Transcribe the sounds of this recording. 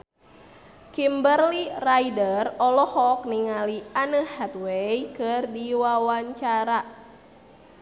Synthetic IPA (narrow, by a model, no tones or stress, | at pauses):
kimbərliraidərɔlɔhɔk̚niŋalianəhɛt̪wejkɨrdiwawaɲt͡ʃaɾa